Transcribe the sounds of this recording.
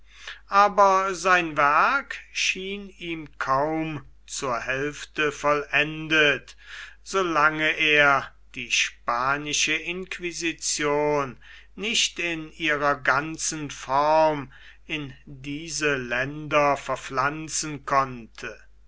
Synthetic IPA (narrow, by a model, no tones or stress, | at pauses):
ʔaːbɐzaɪnvæɐkʃiːniːmkʰaʊm | t͡suːɐhɛlftəfɔlʔɛndətz̥olaŋəʔeːɐ | d̥iːʃpaːnɪʃəʔɪnkvizit͡sjoːnː | ɪʃtɪniːʁɐɡant͡sənfɔʁm | ɪndiːzəlɛndɐfɛɐflant͡sənkʰɔntʰə